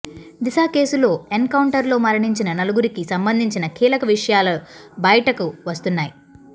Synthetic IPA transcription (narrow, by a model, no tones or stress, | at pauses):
d̪isaːke̞ːsulo̞ːeŋkɐwuɳʈɐɾlo̞ːmɐɾɐɳiɲt͡ʃinɐnɐluɡuɾikisɐmbɐnd̪ʱiɲt͡ʃinɐkiːlɐkɐʋiʂɐjaːlɐbɐjɐʈɐkuʋɐst̪unːaːji